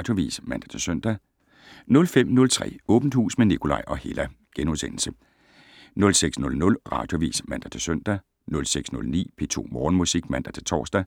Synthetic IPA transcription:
d̥joʋḭːsmænd̥æt͡sʰe̝søn̰d̥æ | nɔ̽lfem̰nɔ̽lt͡sʰʁɛ̰ːɔ̽ːb̥n̩d̥hṵːsmenikʰo̝lɑ̈ɪʔɒ̽he̝læ | ɡ̥enuðˠsenl̩sə | nɔ̽lseɡ̥snɔ̽lnɔ̽lʁɑ̈ːd̥joʋḭːsmæn̰d̥æt͡sʰe̝søn̰d̥æ | nɔ̽lseɡ̥snɔ̽lnḭːpʰe̝t͡sʰo̝̰ːmɒːn̩musiɡ̥mæn̰d̥æt͡sʰe̝t͡sʰɒ̰ːsd̥æ

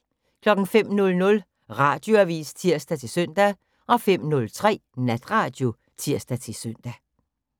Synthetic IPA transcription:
kʰlɒ̽ɡ̥ŋ̩fem̰nɔ̽lnɔ̽l | ʁɑ̈d̥jo̝æʋḭːst͡sʰiɐ̰sd̥æt͡sʰe̝lsøn̰d̥æ | ʔɒ̽fem̰nɔ̽lt͡sʰʁɛ̰ːnæd̥ʁɑ̈d̥jo̝ | t͡sʰiɐ̰sd̥æt͡sʰe̝søn̰d̥æ

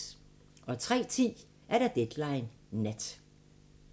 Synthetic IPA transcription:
ʔɒ̽t͡sʰʁɛ̰ːt͡sʰḭː | ʔæɐɾ̥ɑ̈d̥ed̥lɑ̈ɪnː | æd̥

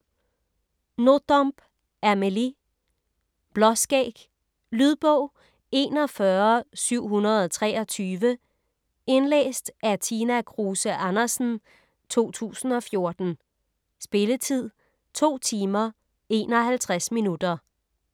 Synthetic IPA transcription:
no̝d̥ɒmb̥ | æmeli | b̥lɒ̽sɡ̥ɛ̰ːɡ̥ | lyð̞ˠb̥ɔ̽ʊ̰ | e̝ːnɒ̽fɶɐsyʊ̰ɦunɐð̞̩ˠɒt͡sʰʁɛːɒ̽t͡sʰyːʋə | e̝nlḛːsd̥æt͡sʰiːnækʰʁuːsəʔænɐsn̩ | t͡sʰo̝̰ːt͡sʰṵːsn̩ɒ̽fjo̝ɐd̥n̩ | sb̥e̝lət͡sʰið̞̰ˠ | t͡sʰo̝̰ːt͡sʰiːmɐ | e̝̰nɒhælt͡sʰʁasminud̥ɐ

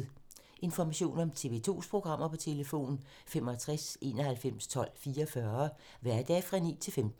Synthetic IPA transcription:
ʔe̝nfɒmæɕo̝̰ːnɒ̽mt͡sʰe̝ʋe̝t͡sʰo̝̰ːspʰʁo̝ɡ̥ʁɑ̈m̰ɐpʰɒ̽t͡sʰe̝ləfo̝̰ːn | fem̰ɒt͡sʰʁasʔe̝ːnɒɦælfem̰st͡sʰɒ̽l̰fiːɐfɶɐ | ʋæɐ̰d̥ɛ̰ːfʁɑ̈nḭːt͡sʰe̝lfemd̥

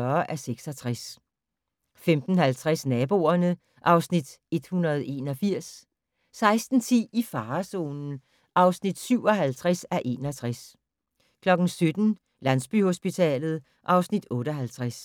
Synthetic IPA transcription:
ɐʔæseɡ̥sɒt͡sʰʁas | femd̥n̩hælt͡sʰʁasnɛːb̥o̝̰ːɐnə | ʔɑ̈ʊsnid̥e̝d̥hunɐð̞ˠe̝ːnɒ̽fiɐ̰s | sɑ̈ɪsd̥n̩t͡sʰḭifɑ̈ːso̝̰ːnn̩ | ʔɑ̈ʊsnid̥syʊ̰ɒ̽ɦælt͡sʰʁɛsæɐʔe̝̰ːnɒ̽t͡sʰʁas | kʰlɒ̽ɡ̥n̩sød̥n̩ | lænsb̥y̰ho̝sb̥it͡sʰɛ̰ːlð̞̩ˠ | ʔɑ̈ʊsnid̥ɔ̽ːɾɒɦælt͡sʰʁas

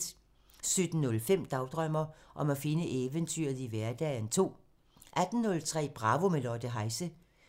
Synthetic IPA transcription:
d̥ | sød̥n̩ːɔ̽lfem̰d̥ɑ̈ʊd̥ʁœm̰ɐʔɒ̽mæfe̝nəʔeːʋənt͡sʰy̰ɐ̰ð̩ˠiʋæɐd̥ɛːnt͡sʰo̝̰ː | ʔæd̥n̩nɔ̽lt͡sʰʁɛ̰ːb̥ʁɑ̈ːʋo̝melɒːd̥əɦɑ̈ɪsə

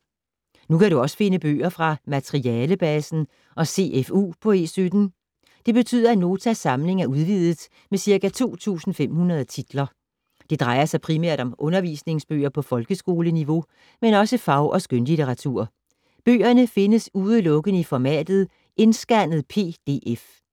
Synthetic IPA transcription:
nukʰæɾuɒ̽sə̥fe̝nəb̥ø̰ːɐfʁɑ̈mæt͡sʰʁiɛːləb̥ɛsn̩ | ʔɒ̽se̝̰efṵːpʰɒ̽e̝ːsød̥n̩ | d̥e̝b̥e̝t͡sʰy̰ðˠɐæno̝ːt͡sʰæsɑ̈mle̝ŋæɐuð̞ˠʋið̰ˠð̩ˠ | mesiɐkæt͡sʰo̝̰ːt͡sʰṵːsn̩fem̰hunɐð̞ˠt͡sʰid̥lɐ | d̥e̝d̥ʁɑ̈ɪɐsɑ̈ɪpʰʁimæ̰ɐ̰ɾ̥ɒ̽mʔɔ̽nɐʋḭːsne̝ŋsb̥ø̰ːɐpʰɒ̽fɒ̽lɡ̥əsɡ̥o̝ːləniʋo̝ | menɒ̽səfɑ̈ʊʔɒ̽sɡ̥ønlit͡sʰeʁɑ̈t͡sʰṵɐ̰ | b̥ø̰ːɐnəfe̝nəsuðˠəlɔ̽ɡ̥ənəifɒmɛ̰ːd̥ð̞̩ˠ | ʔe̝nsɡ̥æn̰ð̞̩ˠpʰe̝̰ːd̥e̝̰ːʔef

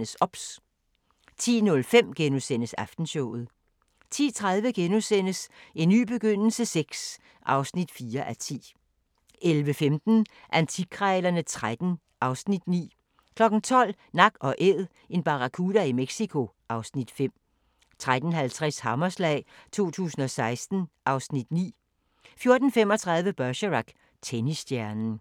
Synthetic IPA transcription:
əsɒ̽b̥s | t͡sʰḭːnɔ̽lfem̰ɡ̥enusen̰əsæfd̥n̩ɕɔʊ̰ð̞̩ˠ | t͡sʰḭːt͡sʰʁað̞ˠʋəɡ̥enusen̰əse̝nːy̰ːb̥e̝ɡ̥øn̰l̩səseɡ̥s | ʔɑ̈ʊsnid̥fiːɐʔæt͡sʰḭː | ʔelʋəfemd̥n̩ | ʔænt͡sʰikʰʁɛlɐnət͡sʰʁad̥n̩ | ʔɑ̈ʊsnid̥nḭː | kʰlɒ̽ɡ̥n̩t͡sʰɒ̽l̰ | nɑ̈ɡ̥ɒ̽ʔeð̰ˠ | e̝nb̥ɑ̈ʁɑkʰuːð̥æimeɡ̥sikʰo̝ʔɑ̈ʊsnid̥fem̰ | t͡sʰʁad̥n̩ɦælt͡sʰʁɛshɑmɐslɛ̰ːɪt͡sʰo̝̰ːt͡sʰṵːsn̩ɒ̽sɑ̈ɪsd̥n̩ʔɑ̈ʊsnid̥nḭː | fjo̝ɐd̥n̩fem̰ɒ̽t͡sʰʁɑ̈ð̞ˠʋəb̥ɶɐɕəʁɑɡ̥ | t͡sʰenisd̥jæɐnn̩

